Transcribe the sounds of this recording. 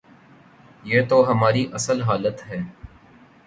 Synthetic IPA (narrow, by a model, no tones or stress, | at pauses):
jeːt̪oɦɐmaːɾiʔɐsəlɦaːlət̪ɦɛː